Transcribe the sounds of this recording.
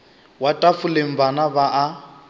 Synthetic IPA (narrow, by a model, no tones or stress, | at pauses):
watʼafulem̩banaβaʔa